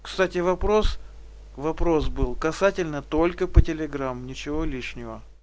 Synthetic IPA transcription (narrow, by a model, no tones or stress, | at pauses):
kst̪atʲɪvɐpɾos | vɐpɾo̞sbɨlˠkɐsatʲɪlʲnət̪o̞lʲkəpətʲɪlʲɪɡɾamnʲɪt͡ɕɪvo̞lʲiʂnʲɪvə